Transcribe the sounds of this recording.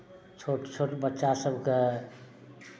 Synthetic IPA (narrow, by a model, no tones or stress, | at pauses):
t͡ʃʰoʈt͡ʃʰoʈbətːʃasəbʱke